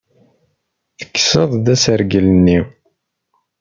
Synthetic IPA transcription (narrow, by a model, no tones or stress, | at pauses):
θə̥kːsəðˤd̪æsəɾɡələnːi